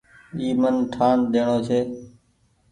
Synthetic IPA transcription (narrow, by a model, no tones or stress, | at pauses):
iːmənʈʰaːnd̪eːɳoːt͡ʃʰeː